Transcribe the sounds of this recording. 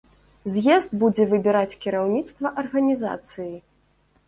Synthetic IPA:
zʲjɛzd̪bud͡zʲɛvɨbʲɛɾat͡sʲkʲiɾawnʲit̪st̪vɐʔɐrɣɐnʲiza̰t̪sɨji

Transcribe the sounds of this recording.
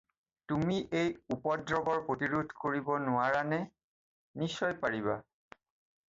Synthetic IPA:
tumiʔejupɔdɹɔɡɔɹpɹotiɹudʱkoɹibɔnʊaɹanɛ | nisɔjpaɹiβa

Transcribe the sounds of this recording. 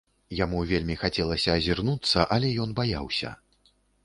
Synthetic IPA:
jamuvʲelʲmʲixat͡sʲɛlˠɐsʲɐːzʲirnut̪sːɐʔɐlʲɛjɔnbaja̰wsʲɐ̰

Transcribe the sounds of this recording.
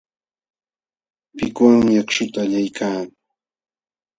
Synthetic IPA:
pɪkwaŋmɪjakʃʊt̪aːʎajkʰaː

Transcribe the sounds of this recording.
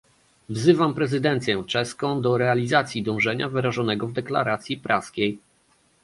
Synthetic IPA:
vzɘvampɾɛzɘd̪ɛnt̪sʲjɛ̃t͡ʂɛskɔ̃w̃d̪ɔɾɛalʲizat̪sʲjid̪ɔ̃w̃ʐɛɲavɘɾaʐɔnɛɡɔvd̪ɛkla̰ɾat̪sʲjipɾʔaskʲej

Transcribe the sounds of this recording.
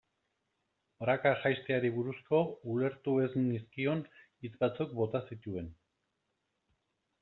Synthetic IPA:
bɾakaʝajst̪eaɾiβ̞uɾusko̞ule̞ɾt̪ue̞zniskio̞n | it͡sbat͡suk̚bo̞t̪asit̪ue̞n

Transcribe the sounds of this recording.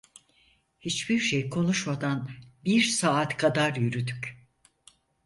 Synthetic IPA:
hit͡ʃbiɾʃejkʰo̞nuʃmad̪anbiɾsaːt̪kʰad̪aɾjyɾyd̪yc

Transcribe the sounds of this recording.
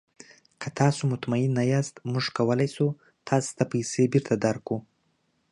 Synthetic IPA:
kʰat̪ʰɑsumʊt̪mainːajast̪mʊʐkʰawəlajsu | t̪ʰɑst̪apajsebiɾt̪ad̪aɾku

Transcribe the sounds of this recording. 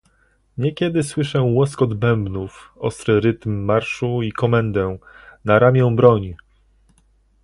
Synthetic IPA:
ɲɛkʲɛd̪ɘswɘʂɛ̃wɔskɔd̪bɛmbnufɔ̰st̪ɾɘɾɘt̪mːaɾʂuikɔmɛnd̪ɛnaɾamʲjɛ̃w̃bɾɔɲ

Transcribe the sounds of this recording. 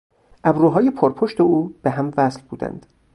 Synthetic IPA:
ʔæbɾuːɦɒːjepʰoɾpʰoʃt̪e̞uːb̥eɦæmvæslbuːd̪æ̰nd̪̥

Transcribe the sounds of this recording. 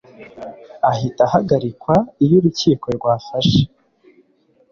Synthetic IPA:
aɦitahaɡaɾikwaijuɾuciːkoɾɡwaːfaʃe̥

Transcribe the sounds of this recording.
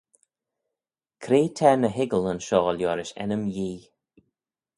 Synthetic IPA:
kʰɾeːtʰɛnəɦɪɡələnʃɔːljɔːɾɪʃɛ̰nəmjiː

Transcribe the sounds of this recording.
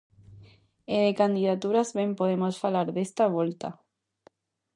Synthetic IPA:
eðekand̪ið̞at̪uɾazβempoð̞emosfalaɾðest̪aβ̞olt̪a

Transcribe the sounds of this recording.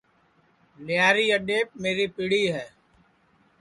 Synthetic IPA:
lɪjaːɾiːəɖeːp̚meːɾipiɽiɦɛː

